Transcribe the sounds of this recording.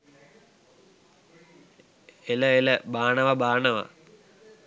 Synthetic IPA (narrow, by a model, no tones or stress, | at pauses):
eləeləbaːɳɐʋɐbaːɳɐʋɐ̰